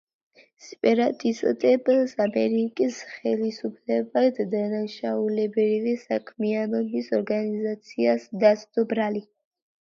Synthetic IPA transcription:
sɛpʼɛɾat̪ʼisʼt̪ʼɛbsamɛɾikʼisχɛlisupʰlɛbad̪d̪anaʃaulɛbɾivɛsakʰmianɔbisɔɾɡanizat̪sʰiasd̪asd̪ɔbɾali

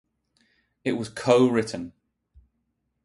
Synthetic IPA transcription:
ɪʔwɒz̥kʰəʊɹɪʔn̩

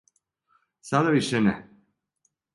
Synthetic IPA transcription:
sad̪aʋiʃenɛ

